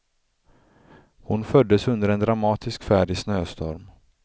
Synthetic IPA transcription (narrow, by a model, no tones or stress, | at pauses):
hʊnfœd̪ːəsɵnd̪əɾɛnd̪ɾamɑːt̪ʰɪskfæːɖɪsnøːst̪ʰɔ̰ɾm